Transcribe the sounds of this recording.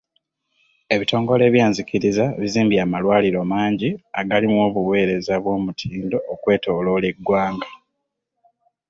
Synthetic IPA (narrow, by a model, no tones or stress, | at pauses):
e̞βito̞ːŋɡo̞le̞ːβjaːnziciɾizaβiziːmbjamalwaːliɾo̞maːɲɟiaɡalimwo̞ːβuβwe̞ːɾe̞zaβwo̞ːmutʰiːndo̞ːkwe̞ːto̞lo̞ːle̞ɡwaːŋɡa